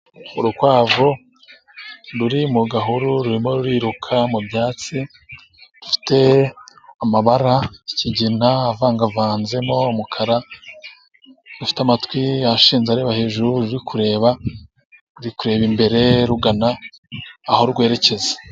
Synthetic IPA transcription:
uɾukwaːvo | ɾuɾimuɡaɦuɾuɾuɾimo̞ɾuɾiːɾukʰamubjaːt͡si | ɾufi̥te̞ | amaβaɾaciɟinaːvaːŋɡavaːnze̞mo̞umukʰaɾa | dufi̥tamatwiaʃiːnzaɾeːβahe̞ʒuɾuɾuɾikʰuɾe̞ːβa | ɾuɾikuɾe̞ːβimbe̞ɾe̞ɾuɡanaː | ho̞ɾuɡwe̞ːɾe̞ce̞ze̥

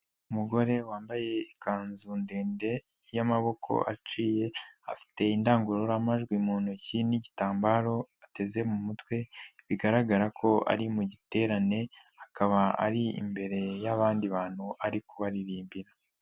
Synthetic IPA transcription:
umuɡo̞ɾe̞waːmbaje̞ikaːnzunde̞ːnde̞ | jamaβo̞kʰo̞̰ʔa̰t͡ʃiːje̞afi̥te̞indaːŋɡuɾoɾamaʒɡwimuːn̥huciniɟitaːmbaɾo̞ate̞ze̞mumutwe̞βiɡaɾaɡaɾakʰo̞a̰ɾimuɟite̞ɾane̞ | akaβaa̰ɾiḭmbe̞ɾe̞jaβaːndiβaːn̥huaɾikuβaɾiɾiːmbiɾa

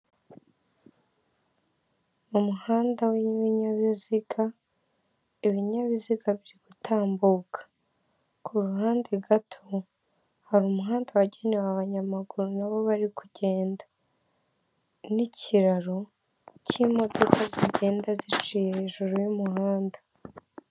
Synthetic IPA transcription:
mumuhaːndawiβiɲaβiziɡa | iβiɲaβiziɡaβiɾiɡ̥utʰaːmbuːkʰḁ | kʰuɾuɦaːndeɡatʰo | haɾumuɦaːndawaɟenewaβaɲamaɡuɾunaβo̞βaɾikuɟ̥e̞ːndḁ | niciɾaɾo̞ | cimo̞do̞kʰaziɟe̞ːndazit͡ʃiheʒuɾujumuhaːndḁ

